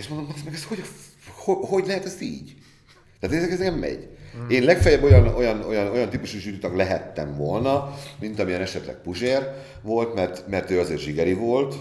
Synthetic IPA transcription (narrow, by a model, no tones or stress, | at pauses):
eːʃmond̪omɦt̪smɛɡɛsho̞ɟ | hoho̞ɟlɛɦɛt̪ɒsḭːɟ | t̪æːt̪ːɛzɛkɛznɛkɛmːɛ̰ɟeːnlɛkfɛjɛbːo̞jɒno̞jɒno̞jɒno̞jɒnt̪iːpuʃuʒyɾit̪ɒklɛɦɛt̪ːɛɱvo̞lnɒmint̪ɒmijɛnɛʃɛt̪lɛ̰k̚puʒeːr | vo̞lt̪mɛrt̪mɛrt̪øːɒzeːrʒiɡɛɾivolt̪